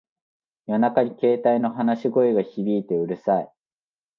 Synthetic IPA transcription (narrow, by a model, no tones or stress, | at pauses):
jo̞nakaɲ̟ike̞ːt̪aino̞ɦanaɕiɡo̞eɡaçibʲiːt̪e̞ɯ̟ɾɯ̟sai